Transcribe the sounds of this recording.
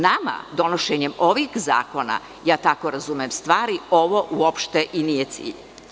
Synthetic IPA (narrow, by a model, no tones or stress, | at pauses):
nama̰d̪o̞noʃeɲemo̞ʋixza̰ːko̞na̰ | jaːt̪ako̞ɾazumemst̪ʋaːɾio̞ʋoʔuopʃt̪e̞ʔiniːjet̪sḭːʎ